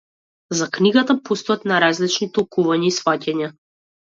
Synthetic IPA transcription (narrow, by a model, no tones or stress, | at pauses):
zakniɡat̪apɔst̪ɔat̪naɾazlit͡ʃnit̪ɔlˠkuvaɲaisfacaɲa